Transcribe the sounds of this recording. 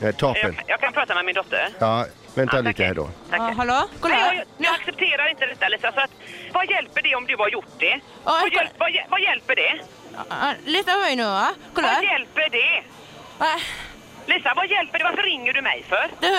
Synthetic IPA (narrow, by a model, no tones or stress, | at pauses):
ɛt̪ʰɑːpənjɑːɡkʰanpʰɾɑːt̪amɛmɪnd̪ɔt̪ʰːə̰ɾaː | vɛnaliːt̪əhæ̰ːɖɔ̰aɦaloːkɔlnaksɛp̚t̪ʰeːɾaɾɪnt̪əd̪ɛt̪ːaliːsasɔat̪vajɛlpəɖɛɔmd̪ɵaɾjʊʈːɖɛ | ʔɔɛvajɛvajɛlpəɖɛ | lʏsnapɔmɛjnʉ̟ːakʰɔljɛlpəɖɛ | a | liːsavajɛlpəɖɛvaɾfəɾɪŋːəɖɵmɛ̰jfœɾd̪ɵ